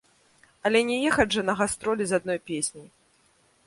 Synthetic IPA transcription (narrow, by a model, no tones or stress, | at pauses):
ɐlʲɛnʲɛjɛxɐʐɐnɐɣast̪ɾɔlʲizad̪̚nɔjpʲesʲnʲij